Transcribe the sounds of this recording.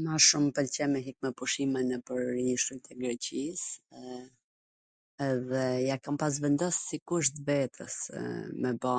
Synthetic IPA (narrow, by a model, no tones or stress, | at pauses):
maʃumpɛlt͡ɕɛmɛɦik̚mɛpuʃimɛnɛpəɾɲiʃujt̪ɛɡɾɛcis | ɛðɛjakampas̬vɛnd̪ɔsːikuʃ̬t̪vɛt̪ʰə̰smɛba